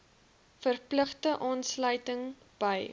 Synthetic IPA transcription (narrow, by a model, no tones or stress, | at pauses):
fərpləχtəʔɑːnslœɥtəŋ | b̥əj